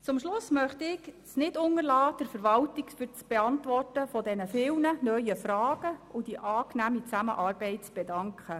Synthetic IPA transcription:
t͡sʊmʃlʊsmœχtɪɡ̥snɪdʊŋəɾlɑːd̥ɛɾfəɾʋɑltɪkfyɾt͡sb̥eɑntʋɔrtəfɔdɛnəfɪlnənœʏəfɾɑːɡ̥əʊdiʔɑːknæːmit͡sæmə̰ʔɑːrb̥ɛɪtt͡sb̥ɛdɑŋkχə

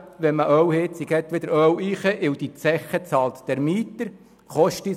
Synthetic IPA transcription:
ʋɛməʔœwhɪt̪t͡siɡɛt̪ʋɪd̪əɾœwiχəʔɪwd̥̪it͡sɛχət͡sɑːlt̪d̥ɛɾmiːt̪əɾ | χɔʃti

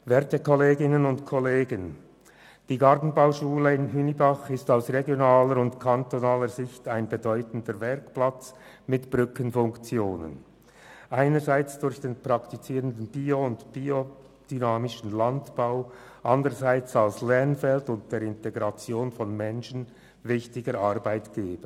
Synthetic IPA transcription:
vɛɐtəkʰɔleːɡɪnənʊntkʰɔleːɡən | d̥iːɡaʁtn̩baʊʃuːləɪnɦynibaχɪstaʊsʁeɡjonaːləɾʊntkʰantonaːləɾzɪçtaɪnbedɔʏtn̩dəɾvɛɐkplat͡s | mɪtb̥ʁʏkənfʊŋkt͡sjoːnə̰n | ʔaɪnəzaɪt͡sd̥ʊɾçd̥eːnpʁ̥ɑktit͡siːʁəndən̩bioʊntb̥io | d̥ynaːmɪʃn̩lantb̥aʊ | ʔandəʁəzaɪt͡salslɛʁnfɛltʊnt̚d̥eːɾɪnteɡʁat͡sjoːnfɔnmɛnʃn̩ | vɪçtɪɡəɾarbaɪtɡ̥eːb̥ə

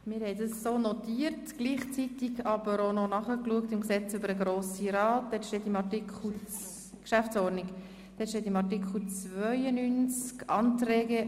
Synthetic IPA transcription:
mɪːɾhɛɪdɑssoːnɔtiːərtɡ̥liːχt͡sitɪɡɑbəɾononɑχəkluək̚tɪmɡsɛt͡sʏbəɾəɡɾoːsiɾɑːt̚d̥̪ɛtʃteːtimɑtikχl̩ | kʃæfsɔɾdnik | d̥ɛtʃteːtimɑtikχl̩t͡svœʏənynt͡skɑntrɛːɡə

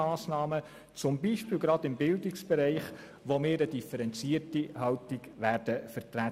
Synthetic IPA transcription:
ɑːsnɑːmə | t͡sʊmbiːʃpɪːlɡɾɑd̪ɪmbɪldɪksb̥ɛɾɛɪχ | ʋomɪːɾədifəɾɛnt͡siːərtihɑltɪɡʋæːɾd̥əfəɾtɾæ

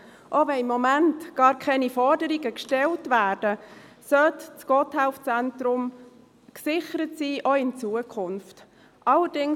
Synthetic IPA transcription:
ʔoʋɛnɪmːɔmæntɡ̥ɑːɾkʰɛnifɔɾdəɾiɡəkʃtɛltʋæːɾd̥ə | sœtt͡sɡ̥ɔthæʊft͡sæntɾʊm | ksɪχəɾətsiːʔoɪnt͡suːəkʰχʊnft | ʔɑlːəɾdɪŋ

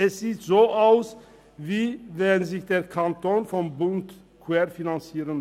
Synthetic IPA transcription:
ɛsz̥iːtz̥oːʔaʊs | viːvɛnzɪçd̥eːɐkʰantoːnfɔmbʊnt | kʰwɛːɾfinant͡siːʁən

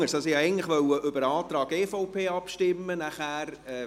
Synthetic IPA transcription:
əɾsɑsijɛɪɡən̩tlɪχʋœwəʔʏbəɾɑːt̪ɾɑːɡeːfɔʊpʰeːɑpʃtɪmːənæχæːɾɛː

